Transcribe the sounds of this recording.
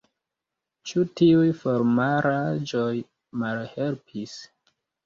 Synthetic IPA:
t͡ʃutiujfoɾmaɾad͡ʒoj | malhe̞lpʰis

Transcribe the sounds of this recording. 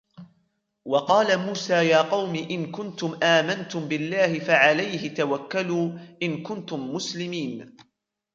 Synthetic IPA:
wɑqɑːlamuːsaːjaːqɑwmiːʔɪnkʊnt̪ʊmʔaːmant̪ʊmbɪlːaːhɪfaʕalajhɪt̪awakːaluːʔɪnkʊnt̪ʊmːʊslɪmiːn

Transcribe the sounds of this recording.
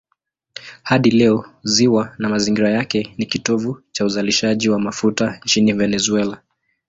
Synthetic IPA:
haɗilɛɔziwanamaziŋɡiɾajakɛnikitɔvut͡ʃauzaliʃaʄiwamafutant͡ʃinivɛnɛzuɛla

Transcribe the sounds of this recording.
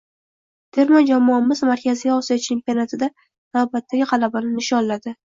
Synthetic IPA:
d̪̥e̞ɾmad͡ʒamɒnɪmɪzmaɾkʲazɪjʲaɒsijɒt͡ʃʰe̞mpionat̪ʰɪd̪a | nawbat̪ʰːaɡʲɪqʰɑlabanɪnɪʃɒnlad̪ɪ

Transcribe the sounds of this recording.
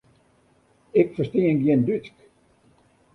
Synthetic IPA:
ɪkfəstiəŋɡjɪndytk

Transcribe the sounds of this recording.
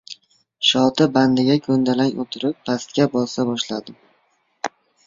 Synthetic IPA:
ʃɒt̪ʰɪband̪ɪɡʲakʰɵnd̪alaŋo̰t̪ʰɪɾɪpːʰast̪̚kʲabɒssabɒʃlad̪ɪ

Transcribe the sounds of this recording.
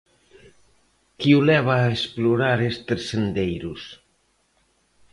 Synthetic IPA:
kiulɛβ̞aːespluɾaɾest̪eɾsend̪ejɾus

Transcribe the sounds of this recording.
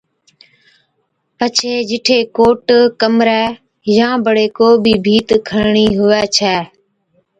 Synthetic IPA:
pət͡ʃʰeːd͡ʒɪʈʰeːkoːʈkəmɾɛː | jãːbəɽeːkoːbiːbʱiːt̪kʰəɽɳiːɦʊʋɛːt͡ʃʰɛː

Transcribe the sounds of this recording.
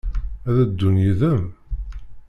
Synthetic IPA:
æðæd̪ːunjiðəm

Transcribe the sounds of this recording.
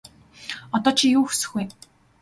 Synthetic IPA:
ɔt̪ɔːt͡ɕʰiːjuːxu̥sɘ̆xuj

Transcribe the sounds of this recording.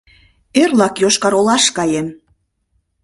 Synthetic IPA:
erlɑkjoʃkɑɾolɑʃkɑjem

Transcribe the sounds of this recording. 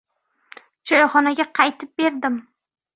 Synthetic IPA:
d͡ʒɒjχɒnaɡʲaqʰɑjt̪ʰɪp̚be̞ɾd̪ɪm

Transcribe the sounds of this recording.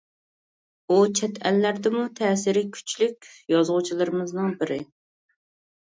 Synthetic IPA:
ut͡ʃʰɛt̪ʰælːæɾd̪ɪmut̪ʰɛːsɪɾɪkʲʰy̥t͡ʃlyk̚ʲjɑzʁʊt͡ʃʰilˠɨɾɨmɨznɨŋbɪɾɪ̰

